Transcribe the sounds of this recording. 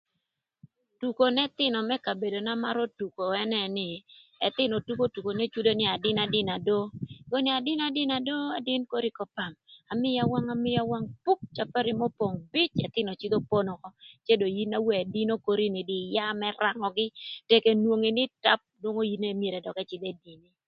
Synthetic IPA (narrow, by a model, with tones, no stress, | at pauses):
tu˨ko˨nɛ˦t̪ɪ˦nɔ˨mɛ˦ka˨be˨do˨na˦ma˦ɾo˦tu˨ko˨ɛ˦nɛ˦nɪ˨ɛ˨t̪ɪ˦nɔ˨tu˦ko˦tu˨ko˨ne˦t͡ʃu˦do˦nɪ˨a˨dɪ˦na˨dɪ˦na˨do˦ɡo˦nɪ˨a˨dɪ˦na˨dɪ˦na˨do˦a˨dɪ˦nko˦ɾi˦kɔ˨pa˨ma˨mɪ˦ja˨wa˦ŋa˨mɪ˦ja˦wa˦ŋpu˦k̚t͡ʃa˨pa˦ɾi˦mɔ˦po˨ŋbɪ˦t͡ʃɛ˨t̪ɪ˦nɔ˨t͡ʃi˦d̪o˦po˦nɔ˨kɔ˦t͡ʃe˦do˨ji˦na˦wɛ˦a˨di˦no˦ko˦ɾi˦nɪ˨dɪ˨ja˦mɛ˦ra˨ŋɔ˨ɡɪ˦te˦ke˦nwo˦ŋi˨nɪ˦ta˦p̚dwo˦ŋo˦ji˦ne˦mje˨ɾɛ˨dɔ˨kɛ˦t͡ʃɪ˦d̪e˦di˨ni˦